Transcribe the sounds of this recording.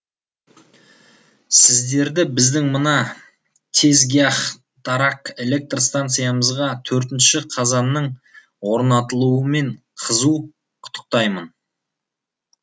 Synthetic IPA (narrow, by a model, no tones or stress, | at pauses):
sɪzd̪e̞ɾd̪ɪbɪzd̪ɪŋmənɑ | t̪ʰe̞zɡʲijaχ | d̪̥ɑɾɑqe̞le̞k̚t̪rst̪ant̪sɨjaməzʁɑt̪ʰɵɾt̪ɪnʃɪqʰɑzɑnːəɴ | wo̞ɾnɑt̪əlˠuəme̞ɴ | qʰəzu | qʰʊ̥t̪ʰːə̥q̚t̪ɑjmən